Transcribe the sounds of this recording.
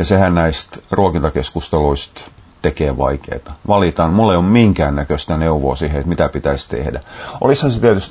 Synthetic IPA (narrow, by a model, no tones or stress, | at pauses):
jɑsehænnæist̪ruokint̪ɑkeskust̪eluist̪ | t̪ekeːʋɑ̰ikḛːt̪ɑʋɑlit̪ɑnmulːeijommiŋkæːnnækøst̪æneuʋo̰ːsiːheet̪mit̪æpit̪æist̪ḛhdæʔo̰lishɑnset̪iæt̪yst̪